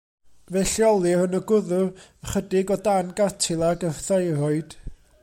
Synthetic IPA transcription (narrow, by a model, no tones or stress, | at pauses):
vɛɬjɔlˠirənəɡʊðʊrəχədɪɡɔdanɡatʰɪlˠaɡərθajɾɔɨd̥